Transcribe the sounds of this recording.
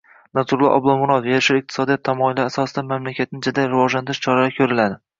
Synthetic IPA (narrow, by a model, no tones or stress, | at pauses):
nazʊɾlˠɒ̰ʔɒ̰blˠɒmʊɾɒt̪jeɾʃɪɾɪq̚t̪ʰɪ̥sɒd̪ijɒt̪ʰːamɒɪlːasɒsɪd̪amamlakʲat̪̚nɪd͡ʒad̪aɾɪvɒʒlant̪ʰɪɾɪʃt͡ʃʰɒɾalakʲʰɵɾɪlad̪ɪ